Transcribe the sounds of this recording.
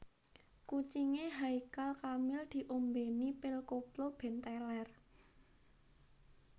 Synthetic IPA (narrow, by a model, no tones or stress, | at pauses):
kut͡ʃiŋeɦaikalkamɪld̪̥i̤ʔombenipɪlkoplob̥ɛ̤nt̪ɛlɛr